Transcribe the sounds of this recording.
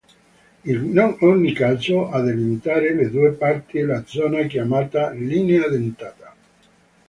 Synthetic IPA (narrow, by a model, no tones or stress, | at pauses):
ilnɔnonːikazoad̪elimit̪aːɾeled̪uepart̪ilad̪zɔːnakjamaːt̪alinead̪ent̪aːt̪a